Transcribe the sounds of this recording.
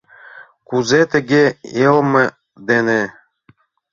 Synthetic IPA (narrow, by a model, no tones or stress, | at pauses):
kuzet̪ɘ̆ɡʲeelˠmɤ̆ | d̪ene